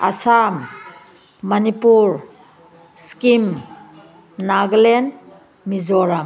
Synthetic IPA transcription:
a̰samː | ɐnipuɾ | skim | naɡlen | mizɔɾam

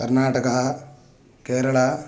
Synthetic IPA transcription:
kɐɾnaːʈɐkɐɦɐ | keːɾɐɭɐ

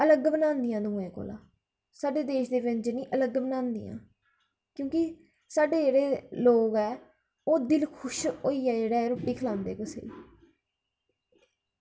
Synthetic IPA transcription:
ələɡbənãːnd̪ɪjãːd̪uːẽːko̰ːlã̰ː | saːɖeːd̪eːʃd̪eːʋɪɲd͡ʒnĩːʔələɡbənãːnd̪iːjã̰ː | kjõːki | saːɖeːd͡ʒeːɽeːloːɡɛː | oːd̪ɪlkʰʊʃoːiːɛːd͡ʒeːɽɛːɾʊpːiːkʰəlãːnd̪eːkʊsḛː

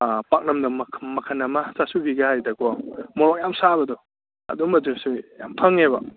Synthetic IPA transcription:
pak̚nɐmnɐmʰmɐkʰanɐmasasubiɡahajdɐkʰɔmɔɾɔk̚jamsabɐdɔ | ɐ̰dumɐzesuja̰mpʰaŋeba

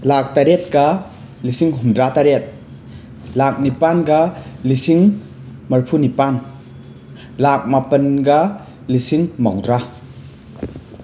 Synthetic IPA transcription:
lak̚taɾet̚ɡɐ | lisiŋɦumdɾataɾet̚ | lak̚nipanɡɐlisiŋ | mɐɾpʰunipan | lak̚mapənɡɐ | lisiŋmawdɾa

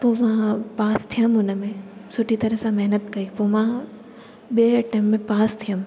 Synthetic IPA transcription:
poːmãpaːst̪ʰijəmʊnəmẽsʊʈʰit̪ɐɾəsãmɐɦnət̪kɐipoːmã | ɓieɐʈəmːẽpaːst̪ʰijəm

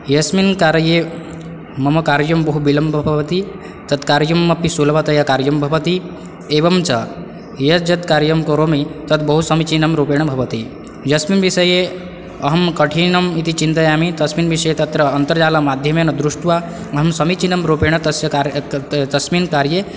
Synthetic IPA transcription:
jɐsminkaːɾje | mɐmɐkaːɾjɐmbɐɦubilɐmbʱbʱɐbt̪i | t̪ɐt̪kaːɾjɐmːɐpisulbat̪ɐjakaːɾjɐmbʱɐbət̪i | ebɐmt͡ʃʰɐ | jɐd͡ʒɐt̪kaːɾjɐmkoɾomit̪ɐt̪bɐɦusɐmit͡ʃinɐmɾopeɽ̃ɐbʱɐbət̪i | jɐsminbisəje | ɐɦɐmkɐʈʰinɐmit̪it͡ʃint̪ajaːmit̪ɐsminbisɐjet̪ɐt̪ɾɐːnt̪əɾd͡ʒaːlamaːd̪ʱjɐmenɐd̪ɾuʂʈʋa | ɐɦɐmsɐmit͡ʃinɐmɾopeɽ̃ɐt̪ɐsat̪ɐsminkaɾje

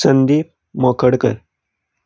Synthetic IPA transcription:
sənd̪i | məkʰəɽkəɾ

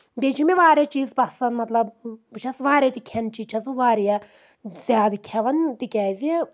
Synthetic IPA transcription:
b̪et͡ʃʰimeʋaːɾʲɐt͡ʃiːzbɐsɐnmɐt̪lɐbɨt͡ʃʰɐsʋaːɾʲet̪ikʲʰent͡ʃiːt͡ʃʰɐsbɨʋaːɾijɐ | zʲjaːd̪ɨkʲʰɛʋɐnt̪ikʲɛːzi

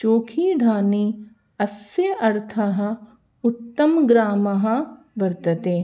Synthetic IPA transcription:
t͡ʃoːkʰiɖʱaːniː | ɐsjɐʔɐɾt̪ʰɐɦ | ʊt̪ːɐmɡɾaːmɐɦɐ | ʋɐɾt̪ət̪eː

